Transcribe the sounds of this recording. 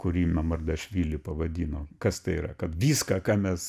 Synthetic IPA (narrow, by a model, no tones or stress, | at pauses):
kʊɾʲiːmʲɛmɐrd̪ɐʃʲʋʲiːlʲɪpɐʋɐd̪ʲiːnoːkɐst̪ɐɪiːɾɐkɐt̪ʋʲiːskɑkɑːmʲɛs